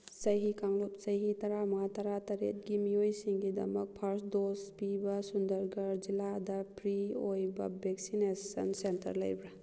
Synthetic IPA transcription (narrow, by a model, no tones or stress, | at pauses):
sɐjɦikaŋlop̚sɐjɦitɐɾamɐŋatɐɾatɐɾḛt̚ɡimijojsiŋɡidɐ̰mɐk̚pʰɐɾsdospibɐsundɐɾɡɐɾd͡ʒiladɐpɾiojbɐ̰bek̚sinesɐ̰nsentɐ̰ɾlɐ̰jbɾɐ